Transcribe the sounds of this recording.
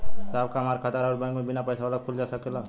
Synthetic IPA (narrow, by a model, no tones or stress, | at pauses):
saːb̚kaɦmaːɾkʰət̪əɾaːɾbɛ̃kmẽbɪnapəjsaʋaːlakʰʊld͡ʒaːsəkela